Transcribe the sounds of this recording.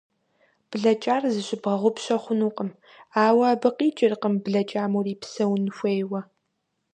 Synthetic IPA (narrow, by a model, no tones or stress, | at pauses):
b̥ɮɐt͡ʃʼaːrzɨɕɪbʁɐʁʷʊpɕɐχʷʊnuːqʼəm | aːwɐːbɨqʼiːt͡ʃʼɪrqəmbɮɐt͡ʃʼaːmuriːpsɐwnxʷeːjwɐ